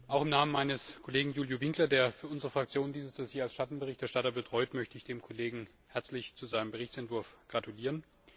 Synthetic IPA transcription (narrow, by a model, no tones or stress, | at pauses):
ʔaʊxɪmnaːmənmaɪnəskʰoleːɡŋ̩juːljovɪŋklɐdeːɐfyːɐʊnzəʁəfʁ̥akt͡sjoːnəndiːzəsd̥osjeːalsʃatn̩bəʁɪçtɛɐʃtatɐbətʁ̥ɔʏtmœçtəɪçd̥eːmkʰoleːɡŋ̩ | hɛɐt͡slɪçt͡suzaɪnəmbəʁɪçt͡sɛntv̥ʊɐfɡ̥ʁatʰuliːʁ̞ən